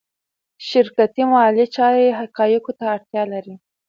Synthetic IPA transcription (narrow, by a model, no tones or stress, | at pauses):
ʃɪɾkat̪imalit͡ʃɑɾeɦaqɑjɪkot̪aːɽt̪jɑlaɾi